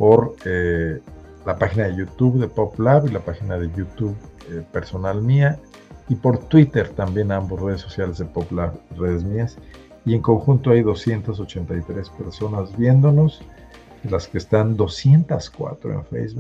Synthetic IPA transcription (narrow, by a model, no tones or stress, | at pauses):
po̞ɾe | lapaxinaðe̞ʝut̪uβðe̞poplaβilapaxinaðe̞ʝut̪uβepe̞ɾso̞nalmia | ipo̞ɾt̪wit̪e̞ɾt̪ambje̞nambo̞sre̞ð̞e̞sːo̞sjale̞zðe̞poplaβre̞ð̞e̞zmias | ie̞ŋko̞ŋxunt̪o̞ajðo̞sje̞nt̪aso̞t͡ʃe̞nt̪ajt̪ɾe̞spe̞ɾso̞nazbje̞nd̪o̞no̞z | elaske̞ːst̪and̪o̞sje̞nt̪askwa̰t̪ɾo̰ḛɱfḛjzβuk